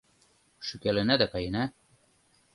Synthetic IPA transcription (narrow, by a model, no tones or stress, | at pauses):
ʃɵkælɘ̆næd̪ækɑjɘ̆næ